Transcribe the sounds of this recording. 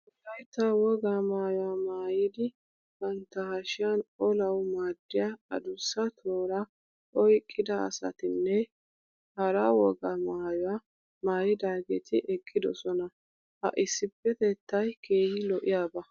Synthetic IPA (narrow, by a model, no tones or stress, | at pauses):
kɐjt̪ːɐwɔɡamaːjɔwamaːjɪd̪ɪ | bɐnt̪ːɐhɐʃɪjɐnɔlɐwmaːd̪ːɪjaɐ̰d̪ʊsːɐt̪ʰo̞ːɾɐ | ʔɔjkʼːɪd̪ɐ̰ːsɐ̰t̪ɪnːɛ | hɐɾawɔɡamaːjɔwa | maːjɪd̪aːɡɛt̪ʰɪʔɛkʼːɪd̪ɔsɔnɐ | hɐ̰ʔɪsːɪpːɛt̪ɛt̪ːɐjke̞ːhɪlɔʔɪjaːbɐ